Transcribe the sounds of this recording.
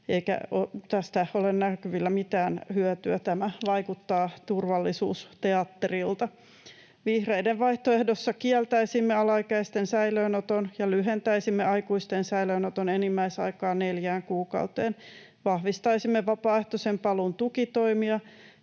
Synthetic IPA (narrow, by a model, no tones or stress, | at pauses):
eikæ̰ot̪æst̪æholennækyʋilːæmit̪æːnhyœt̪yæt̪æmæʋɑikut̪ːɑːt̪urʋɑlːisuːst̪eɑt̪ːerilt̪ɑ | ʋihreideʋʋɑiht̪oehdosːɑkiɛlt̪æisimːeɑlɑikæist̪ensæiløːnot̪onjɑlyɦent̪æisimːeɑikuist̪ensæiløːnot̪onenimːæisɑ̰ikɑːneljæːŋkuːkɑ̰ut̪eːn | ʋɑhʋist̪ɑisimːeʋɑpɑːeht̪osempɑlunt̪ukit̪oimiɑ